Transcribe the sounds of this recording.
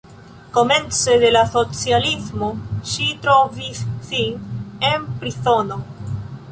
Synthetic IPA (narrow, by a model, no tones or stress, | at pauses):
ko̞me̞nt͡seðe̞laso̞t͡sjalizmoʃit̪ɾovisːiempɾiso̞no̞